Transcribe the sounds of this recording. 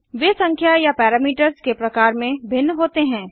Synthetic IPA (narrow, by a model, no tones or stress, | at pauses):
ʋeːsɐ̃ŋkʰjajapɛːɾaːmiːʈəɾskepɾɐkaːɾmẽbʱɪnːɦoːt̪eɦɛ̃ː